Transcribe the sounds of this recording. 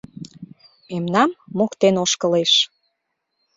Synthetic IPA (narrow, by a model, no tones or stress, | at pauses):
memnɑmːokt̪enoʃkəleʃ